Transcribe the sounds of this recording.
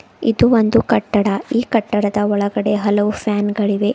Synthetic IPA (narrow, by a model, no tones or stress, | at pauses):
id̪uond̪ukɐʈːɐɽɐiːkɐʈːɐɽɐd̪ɐɔɭɐɡɐɽe̞ɦɐlɐʋupʰaːnɡɐɭiʋe̞